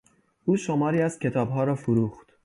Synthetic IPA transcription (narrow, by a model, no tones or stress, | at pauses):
ʔuːʃomɒːɾiːæz̥cʰe̞t̪ʰɒːbɦɒːɾɒːfoɾuːxt̪